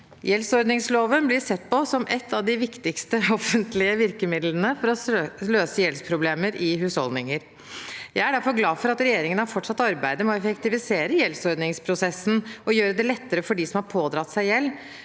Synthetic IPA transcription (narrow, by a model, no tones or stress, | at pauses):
jɛlsɔɾd̪nɪŋsloːʋənblɪɾsɛt̪ːpɔsɔmʔɛt̪ʰːɑʋd̪ɪʋɪkt̪ɪkst̪əɔfənt̪lɪəʋɪɾkəmɪd̪lənəfɔɾɔløːsəjɛlspʰɾʊbleːməɾʔɪɦʉːshɔ̰ld̪nɪŋəɾ | jæɪæɖæɾfɔɾɡlɑːfɔɾɑt̪ɾɛjeːɾɪŋənɑfɔʈːʂɑt̪ːɑɾbæɪd̪əmɛɔɛfəkt̪ɪʋɪseːɾəjɛlsɔɾd̪nɪŋspʰɾʊsɛsːn̩ɔjøːɾəd̪ɛlɛt̪ːəɾəfɔɖɪsɔmhɑɾpʰoːd̪ɾɑt̪ːsæɪjɛlː